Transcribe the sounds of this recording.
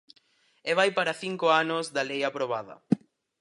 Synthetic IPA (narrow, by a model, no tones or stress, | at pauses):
eβajpaɾɐθiŋkoanʊzðɐlejapɾoβ̞aðɐ̰